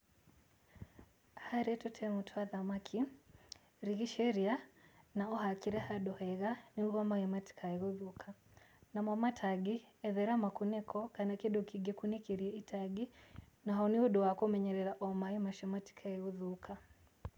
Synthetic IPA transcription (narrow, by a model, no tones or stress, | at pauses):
haɾɛtɔtʰɛmutʰɔaðamakʰi | ɾiɣiʃɛɾianaɔhakiɾɛhaɗɔhɛɣaniuɣɔmaɣɛmati̥kʰaɛɣɔðukʰanamamatʰaɡiɛðɛɾamakunɛkʰɔkanakiɗɔkiɡɛkunikiɾiɛitʰaɡi | naɦaniɔɗɔwakɔmɛɲɛɾɛɾaʔɔmaimaʃɛmati̥kʰaɛɣɔðukʰa